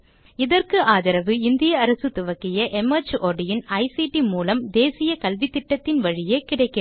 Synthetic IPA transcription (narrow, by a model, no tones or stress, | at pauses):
ɪðɐrkɯʔaːðɐɾɐʋɯɪnd̪ɪjɐːɾɐsɯt̪ʊʋɐkːɪjɐʔɛmɐt͡ʃʔoːɽɪjɪnɐɪsiʈimuːlɐmd̪eːsɪjɐkɐlʋɪt̪ːɪʈːɐt̪ːɪnʋɐɻɪjeːkɪɽɐɪkːɪ